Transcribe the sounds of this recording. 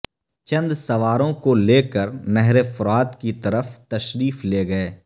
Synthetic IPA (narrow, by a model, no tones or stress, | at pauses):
t͡ʃɐ̃nd̪sɐʋaːɾõkoleːkəɾnɛɦɾefʊɾaːt̪kit̪ɐɾəft̪ɐʃɾiːfleːɡɐeː